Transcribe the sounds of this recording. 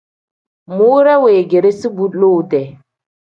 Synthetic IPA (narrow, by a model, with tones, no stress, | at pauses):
mu˦ɾa˦we˨ɡe˨ɾe˦si˦bu˦lo˦˨dɛ˨